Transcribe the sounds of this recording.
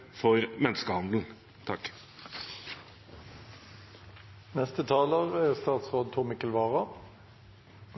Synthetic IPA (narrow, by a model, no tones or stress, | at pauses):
fɔʁmɛnskəhɑnd̪l̩ | t̪ʰɑk | nɛst̪ət̪ʰɑːləʁæːʁst̪ɑːt̪sʁoːd̪̚t̪ʰuːmɪkəlʋɑːʁɑ